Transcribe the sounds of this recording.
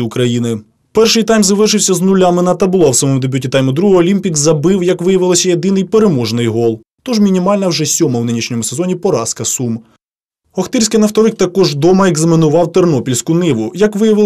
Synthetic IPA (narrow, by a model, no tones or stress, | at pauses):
iʊkɾɐjinɪ | pɛrʃɪjt̪ɑjmzɐʋɪʃɪwsʲɐznʊlʲamɪnɐt̪ɐbʊlˠɔwsɔmɔmʊd̪ebʲutʲit̪ɑjmʊd̪ɾuɦɔɦɔːlʲimʲpʲikzɐbɪwjɐkʋɪjɐʋɪlˠɔsʲɐjed̪ɪnɪjpeɾemɔʒnɪjɦɔlˠ | t̪ɔʒmʲinʲimɑlʲnɐwʒɛsʲɔmɐwnɪnʲiʃnʲɔmʊse̞zɔnʲipɔɾɑskɐsum | ɔxt̪ɪɾʲsʲkɪjnɐft̪ɔlˠɪk̚t̪ɐkɔʒd̪ɔmɐeɡzɐmʲɪnʊʋɑwt̪ernɔpʲilʲsʲkʊnɪʋʊjɐkʋɪjɐʋɪl